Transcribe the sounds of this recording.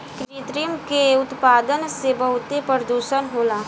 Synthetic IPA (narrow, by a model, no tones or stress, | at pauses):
kɾɾit̪ɾimkeʊt̪paːd̪ənsebəɦʊt̪epəɾd̪uːʃənɦoːlaː